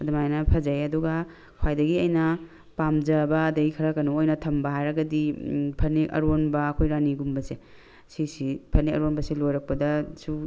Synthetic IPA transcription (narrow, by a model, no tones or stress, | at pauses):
ɐdɐmajnɐpʰɐzajɐduɡa | kʰwajdɐɡiɐjnɐ | pamd͡ʒɐbɐːdɐɡikʰɐɾɐkɐnoojnɐtʰɐmbɐɦajɾɐɡɐdipʰɐɾniɐ̰ɾonbɐɐkʰojɾaniɡumbɐse | sisipʰɐɾniɐ̰ɾonbɐselojɾɐk̚pɐdɐsu